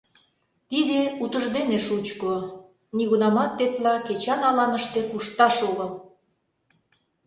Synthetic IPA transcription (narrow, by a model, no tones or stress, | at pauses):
t̪id̪eut̪əʒd̪eneʃut͡ɕko | niɣunɑmɑt̪ːet̪lɑket͡ɕɑnɑlɑnəʃt̪ekuʃt̪ɑʃoɣəl